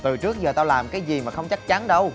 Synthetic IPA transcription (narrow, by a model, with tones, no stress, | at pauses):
t̪ɨ˨˩t͡ɕɨ˦˥ək̚zəː˨˩t̪aː˧wlaː˨˩mkaː˨˦jzi˨˩maː˨˩xə˧wŋ͡mt͡ɕa˦˥k̚t͡ɕa˨˦nɗə˧w